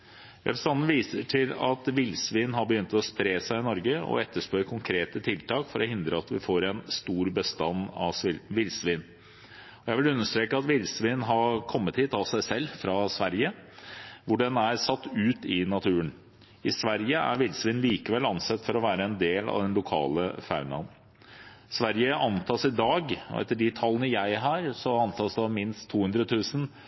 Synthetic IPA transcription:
jæ̰bəst̪ɑnːn̩ʋiːsəʈʰɪlɑt̪ʋɪlsʋiːnɦɑbəjʏnt̪ɔspɾeːsæɪɪnɔɾɡəɔ̰ɛt̪ːəʂpøːɾəkʰʊŋkʰɾeːt̪ət̪ʰɪlt̪ʰɑːkfɔɾɔhɪnd̪ɾəɑt̪ʋɪfoːɾɛnst̪uːɾbəst̪ɑnːɑ̰sʋɪlʋɪlsʋiːn | ɔjæɪʋɪlʉnːəʂt̪ɾeːkəɑt̪ʋɪlsʋiːnn̩ɦɑkʰɔmːət̪hiːt̪ɑʋsæɪsɛlːfɾɑsʋæɾjə | ʋʊɖɛnæɾsɑt̪ːʉːt̪ɪnɑt̪ʰʉːən | ɪsʋæɾjəæ̰ɾʋɪlsʋiːnliːkəʋɛlɑnsɛt̪ːfɔɾɔʋæːɾəɛnd̪eːlɑ̰ʋd̪ɛnlʊkʰɑ̰ːlə̰fa̰ʉnɑ̰n | sʋæɾjəʔɑnt̪ʰɑːsɪd̪ɑːɡɔ̰ɛ̰t̪ːəɖɪt̪ʰɑlːənəjæɪɦæːɾsɔɑnt̪ʰɑːsd̪ɛɑmɪnst̪ʰːuːʉnd̪ɾət̪ʰʉːsən

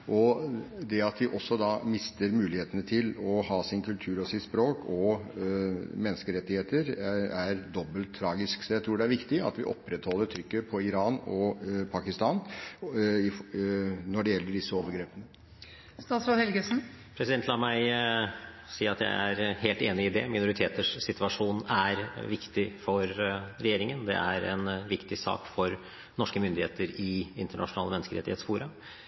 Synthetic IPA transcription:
ʔɔd̪ɛɑt̪ʋ̪ɪʔɔsːɔd̪ɑmɪst̪əɾmʉːlɪheːt̪ənət̪ʰɪlɔhɑːsɪnkʰʉlt̪ʰʉːɾɔsɪt̪spɾoːkʰɔ | mɛnːəskəɾɛt̪ːɪheːt̪əɾæɾd̪ɔbːəlt̪ʰːɾɑːɡɪsksɔjæɪt̪ʰɾuːɖɛæɾʋɪkt̪ɪɑ̰t̪ʋɪ̰ʔɔ̰pːɾɛt̪hɔlːəɾt̪ʰɾʏkːəpʰɔɪɾɑːnɔpʰɑkɪst̪ɑːn | ɪ | nɔɖɛjɛlːəɖɪsːəoːʋəɾɡɾeːpənə | st̪ɑːt̪sɾoːd̪hɛlɡəsn̩ | pʰɾɛsɪd̪ɛnt̪lɑːmæɪ | siːɑt̪jæ̰ɪæɾheːlt̪eːnɪɪd̪ɛ̰mɪnʊɾɪt̪ʰeːt̪əʂsɪt̪ʋɑʂuːnæɾʋɪkt̪ɪfɔɾɾɛjeːɾɪŋənd̪ɛ̰ʔæɾɛ̰nʋɪkt̪ɪsɑ̰ːkfɔɾ | nɔʂkəmʏnd̪ɪheːt̪əɾɪɪnt̪əɳɑ̰ʂʊnɑːləmɛnːskəɾɛ̰t̪ɪheːt̪sfuːɾɑ

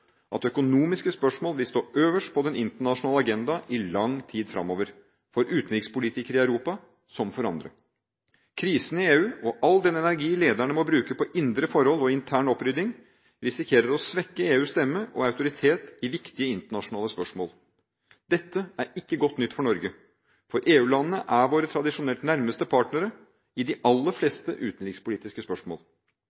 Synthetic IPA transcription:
ʔɑt̪œkʊnuːmɪskəspœʂmoːlʋɪlst̪oːʔøːʋəʂʈpʰɔd̪ɛnɪnt̪əɳɑʂʊnɑːləɑɡɛnd̪ɑʔɪlɑŋt̪ʰiːd̪fɾɑ̰mːoːʋəɾ | fɔɾʔʉːt̪n̩ɾɪkspʊlɪt̪ʰɪkəɾɪæʉɾuːpɑ | sɔmfɔɾɑnd̪ɾə̰ | kʰɾiːsənɪeːʉːɔʔɑlːd̪ɛnɛnæɾɡiːleːd̪æɳəmɔbɾʉːkəpʰɔʔɪnd̪ɾəfɔɾhɔlːɔɪnt̪ʰæːɳɔpɾʏd̪ɪŋ | ɾɪsɪkʰeːɾəɾɔsʋɛkːəeːʉːst̪ɛmːəʔɔɑʉt̪ʊɾɪt̪ʰeːt̪ɪʋɪkt̪ɪəɪnt̪əɳɑʂʊnɑːləspœʂmoːl | d̪̥ɛt̪ːəæɾɪkːəɡɔt̪ːnʏt̪ːfɔɳɔɾɡə | fɔɾʔeːʉːlɑnːnəʔæɾʋoːɾət̪ʰɾɑd̪ɪʂʊnɛlt̪næɾməst̪əpʰɑːʈɳəɾə | ɪd̪ɪʔɑlːəfleːst̪əʔʉːt̪ənɾɪɡspʊliːt̪ɪskəspœʂmo̰ːl

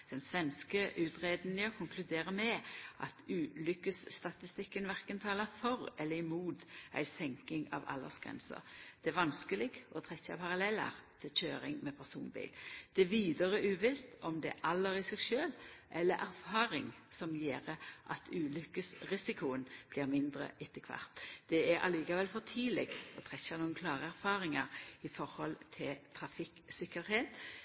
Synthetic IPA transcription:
d̪̥ɛnsʋɛnskəʔʉːt̪ʁeːd̪njɑkʰʊŋklʉd̪eːʁəmɛʔɑ̰t̪ʰʉːlʏkːəsːt̪ɑt̪ɪst̪ɪkːənʋæʁkənt̪ʰɑːlɑfɔʁɛlːəɪmuːt̪ʔæ̰ɪsɛŋkɪŋɑ̰ʋɑ̰lːə̰sɡʁɛ̰nsə̰ʁd̪̥ɛæʋɑnskəlɪɡɔt̪ʰʁɛçɑ̰pʰɑʁɑlɛlːɑ̰ʁt̪ʰɪlçøːʁɪ̰ŋmɛpʰæʁsṵːnbḭːld̪̥ɛæʋiːd̪əʁəʔʉːʋɪːst̪ɔmd̪ɛʔɑlːəɾɪsɛɡʃøːlʔɛlːəɾʔæɾfɑːʁɪŋsɔmjeːʁəʔɑ̰t̪ʰʉːlʏkəsʁɪsɪkʰʊənb̥liːʁmɪnd̪ʁə̰ʔɪt̪ːəkʰʋɑ̰ʁt̪d̪̥ɛæɾʔɑ̰liːkɑʋɛlfɔʁt̪ʰiːlɛ̰ɡɔt̪ʰɾɛçːɑnuːənkʰlɑːʁəæɾfɑːɾɪŋɑʁɪfɔɾhɔlt̪ʰɪlt̪ʰɾɑfɪksɪkəɾheːt̪

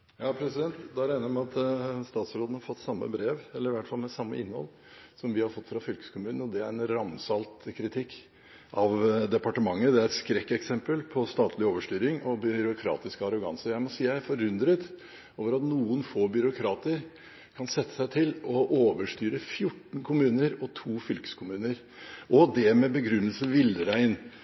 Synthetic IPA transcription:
jɑːpʰɾɛsɪd̪ɛnt̪d̪ɑɾæɪnəɾmɛɑt̪st̪ɑːt̪sɾoːd̪nəhɑɾfɔt̪ːsɑmːə̰bɾeːʋɛlːəɾɪʋæʈfɑlmɛsɑmːə̰ʔɪnhɔ̰l | sɔmʋɪhɑɾfɔt̪ːfɾɑfʏlkə̥skʰʊmʉːnən̩ɔd̪ɛæɾɛnɾɑmsɑlt̪kʰɾɪt̪ʰɪkː | ʔɑʋd̪ɛpɑʈəmɑŋːəd̪ɛæɾɛt̪skɾɛkːɛksɛmpəlpʰɔst̪ɑːt̪ʰlɪoːʋəʂʈ̪yːɾɪŋɔbʏɾʊkʰɾɑ̰ːt̪ɪskəɑɾʊɡɑ̰nsəɾjæɪmɔsiːææɾfɔɾʉnd̪ɾət̪ | oːʋəɾɑt̪nuːənfoːbʏɾʊkʰɾɑːt̪əɾ | kʰɑnsɛt̪ːə̥sæɪt̪ʰɪlɔʔoːʋəʂt̪yːɾəfjʊʈːn̩kʰʊmʉːnəɾɔt̪ʰuːfʏlkə̥skʰʊmʉːnəɾ | ʔɔd̪ɛmɛbəɡɾʉnːəlsəʋɪləɾæɪn

